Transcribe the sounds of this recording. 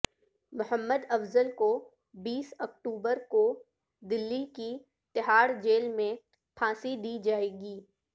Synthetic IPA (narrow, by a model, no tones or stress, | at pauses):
mʊɦəmːəd̪ɐfzəlko | biːsɐk̚ʈuːbəɾko | d̪ɪlːiki | t̪ɪɦaːɽd͡ʒeːlmẽ | pʰãːsid̪iːd͡ʒaːeːɡiː